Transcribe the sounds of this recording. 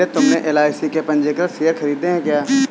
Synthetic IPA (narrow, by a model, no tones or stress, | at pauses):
et̪ʊmneʔeːlaːɪsikepɐ̃ɲd͡ʒeːkəɾseːəɾxʰɐɾiːd̪eɦɛ̃kjaː